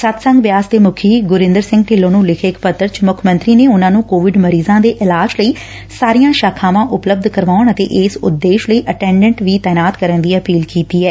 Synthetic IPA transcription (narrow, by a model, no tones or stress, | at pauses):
sət̪sə̃ŋɡʋjaːsd̪eːmʊkʰiːɡʊɾɪ̃nd̪əɾsɪ̃ŋɡʈɪːlõːnũːlɪkʰekpət̪ːəɾt͡ʃmʊkʰmə̃nt̪ɾiːneːʊnãːnũːkoːʋɪɖməɾiːzãːd̪eːʔɪlaːd͡ʒləiː | saːɾijãːʃaːkʰãːʋãːʔʊpləb̚d̪kəɾʋaːʊɳət̪ḛːʔɪsʊ̰d̪ːeːʃləiːʔəʈɛ̃ːɳɖɛ̃ɳʈʋiːt̪ɛːnaːt̪kəɾənd̪iːəpiːlkiːt̪iːɦɛː